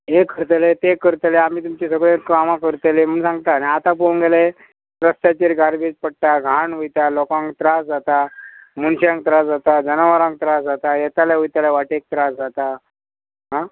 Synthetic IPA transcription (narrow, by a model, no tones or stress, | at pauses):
ɦekəɾt̪elet̪ekəɾt̪eleamiːt̪umt͡ɕisəɡɭẽkamãkəɾt̪elem̤əɳsãŋɡt̪aneat̪apõŋɡele | pɾəst̪at͡ɕeɾɡaɾbed͡ʑpəɽ̚ʈaɡʱaɳʋujt̪alokãŋkt̪ɾasd͡zat̪amuɳɕãŋk̚t̪ɾasd͡zat̪ad͡zənəʋəɾãŋk̚t̪ɾasd͡zat̪ajɛt̪alaʋujt̪alaʋaʈek̚t̪ɾasd͡zat̪a | ɦã